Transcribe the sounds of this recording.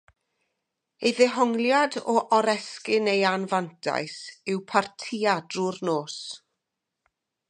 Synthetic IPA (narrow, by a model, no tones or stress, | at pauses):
ejðɛɦɔŋlˠjadɔʔɔɾɛskɪnejanvantʰa̰jsɪwpʰartʰiːad̥rʊrnoːs